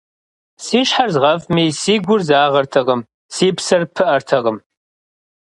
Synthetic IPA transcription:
siːʃħarzʁɐvmiːsiːɡʷʊrzaːʁɐrtʰɐʁəm | siːpsɐrpʰɨʔɐrtʰɐʁəm

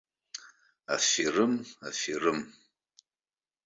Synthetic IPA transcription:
a̰firɨmafirɨm

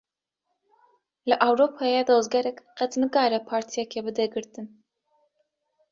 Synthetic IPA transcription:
lɨʔawɾopʰɑːjɛd̪oːzɡɛɾɛkqɛt̪nɨkaːɾɛpʰɑːɾt̪ʰijɛkʰɛbɨd̪ɛɡɨɾt̪ɨn

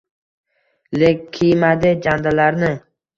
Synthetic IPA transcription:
lekʲʰːijmad̪ɪd͡ʒand̪alaɾnɪ

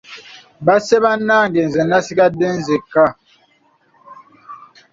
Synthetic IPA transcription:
basebanaːŋɡenzɛnasiɡadenzeka

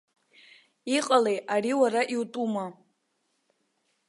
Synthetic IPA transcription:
iqʼalejariwaɾaʔiwtʼuma

